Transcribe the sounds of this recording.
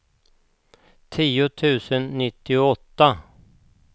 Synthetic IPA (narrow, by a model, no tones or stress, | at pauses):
t̪ʰiːʊt̪ʰʉ̟ːsənːɪt̪ːɪʊɔt̪ːa